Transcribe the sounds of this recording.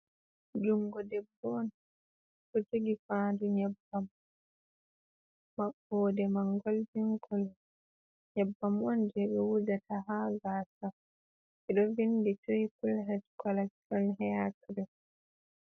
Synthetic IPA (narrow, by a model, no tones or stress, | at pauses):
d͡ʒuŋɡɔdɛbːɔn | kɔteɡifaːnduɲabːam | mabɔdɛmaŋɡold͡ʒiŋɡɔl | ɲɛbːamɔnd͡ʒɛɗɛwudataɦaɡaːsa | ʔɛɗɔvinditojipulɦɛtkalasiɔnɦɛjatuɾɛ